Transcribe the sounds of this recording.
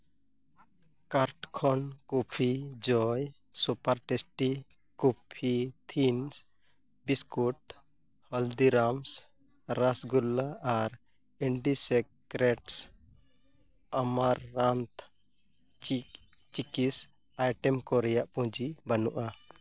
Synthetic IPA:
kaɾʈkʰɔnkɔpʰid͡ʒɔj | supaɾʈɛsʈi | kupʰit̪ʰins | biskuʈ | hɔld̪iɾams | ɾasɡulːaːɾ | ɛɳɖisɛkɾɛʈs | amaɾːant̪ | t͡ʃikis | ajʈɛmkɔɾɛjaʔpũd͡ʒibanuʔa

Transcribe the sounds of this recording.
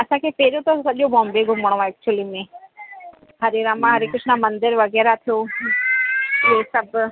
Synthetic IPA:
ɐsãːkʰepeːɾjõt̪osɐʄobɔ̃ːmbeɡʱʊməɽ̃oɛːk̚t͡ʃuəlimẽ | hɐɾeɾãmãɦɐɾekʊd͡ʒʱʰnamɐ̃nd̪ɪɾʋɐɣɛːɾat̪ʰijo | jeːsɐb

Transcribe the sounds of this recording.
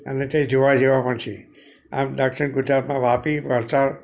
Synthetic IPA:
ə̰net̪ẽd͡ʒ̪oʋad͡ʒeʋãpəɳt͡ʃʰi | a̰mɖəkʂənɡʊd͡ʒɾapmãʋapiʋəɾt͡ʃaɾ

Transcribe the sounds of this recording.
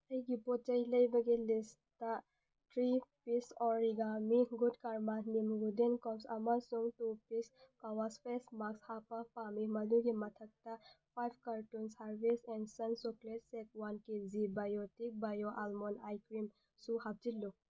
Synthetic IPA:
ɐjɡipɔt͡ʃɐjlɐjbɐɡilis | ta | tɾipisɔɾiɡamiɡudkaɾmanimɡudenkɔpsɐ̰mɐsuŋtupiskawaspʰesmakshapapamimɐduɡimɐtʰɐk̚tɐpʰajb̚ʰkaɾtunsaɾbisɛnsɐnsɔkletsek̚wankezibajotik̚bajoʔalmɔnajkɾim | suhap̚d͡ʒilːu

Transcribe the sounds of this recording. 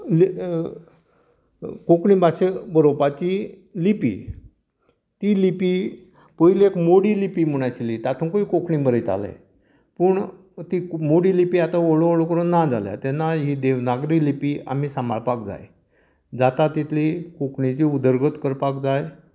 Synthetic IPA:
l | kokɳibaɕebəɾopat͡ɕi | lipḭː | t̪ilipi | pəilekmoɽilipiːm̤əɽ̃aɕiliːt̪at̪ʰũnkoiːkokʰɳibəɾəjt̪a̰lḛ | pəɳ | t̪iːmoɽiːlipiːat̪aoɭooɭokəɾunːad͡za̰lja̰t̪ɛnːaɦid̪eʋnaɡɾiːlipiːa̰m̤iːsambaɭpakd͡za̰j | d͡zat̪at̪it̪ʰlikokʰɳit͡ɕiːud̪əɾɡət̪kəɾpakd͡zaj

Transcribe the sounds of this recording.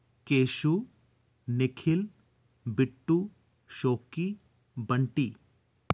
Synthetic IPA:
keːʃu | nɪkʰɪl | bɪʈːu | ʃoːki | bɐɳʈiː

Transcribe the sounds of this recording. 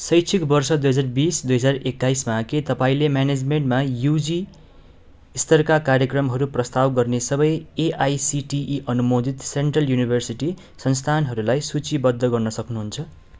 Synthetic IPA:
sʌjt͡sʰikbʌrsʌd̪ujɦʌd͡zarbisd̪ujɦʌd͡zarekːaismaket̪ʌpaĩlemjaned͡zmeɳʈmajud͡zi | st̪ʌrkakaɾjekrʌmɦʌɾuprʌst̪awɡʌrnesʌbʌjeʔajsiʈiʔiʔʌnumod̪ʱit̪seɳʈrʌljunibʱʌrsiʈi | sʌnst̪ʰanɦʌɾulajsut͡sibʌd̪ʱːʌɡʌrnʌsʌknuɦunt͡sʰʌ

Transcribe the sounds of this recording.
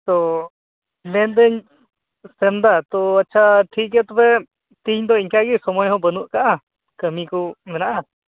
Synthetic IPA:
t̪ɔ | mɛnd̪ɛɲ | sɛmd̪at̪ɔatːt͡ʃʰaʈʰiʔkɛt̪ɔpɛ | t̪iɲd̪ɔiɲkaɡisɔmɔjɦɔ̃bənuʔkaʔa | kəmikumɛnaʔa

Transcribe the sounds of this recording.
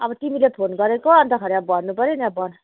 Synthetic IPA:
ʌbʌt̪imilepʰonɡʌɾekoʌnt̪ʌkʰʌɾeabʌɾnupʌɾenabʌn

